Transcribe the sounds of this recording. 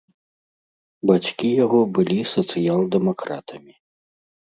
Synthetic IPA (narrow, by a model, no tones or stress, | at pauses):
bat͡ɕʲkʲijaɣɔbɨlʲisɐt̪sɨjalˠd̪ɛmakɾa̰t̪ʰɐmʲi